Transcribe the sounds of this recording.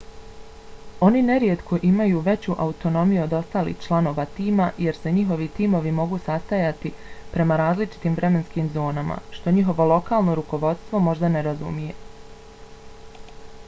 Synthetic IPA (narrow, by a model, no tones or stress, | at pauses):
o̞nine̞ɾjet̪kʰo̞ʔimajuːʋe̞t͡ɕuʔaut̪o̞no̞mijuod̪o̞st̪aːlḭːht͡ʃlˠano̞ːʋat̪iːmaje̞ɾse̞ɲiɦo̞ʋit̪iːmo̞ʋimo̞ɡuːsast̪ajat̪ipɾe̞maɾaːzlit͡ʃi̥t̪iːmvɾe̞me̞nskiːmzo̞ːnama̰ʃt̪o̞ɲiɦo̞ʋo̞lˠo̞kaːlˠno̞ɾuko̞ʋo̞d̪st̪ʋo̞mo̞ʒd̪ane̞ɾazṵmije̞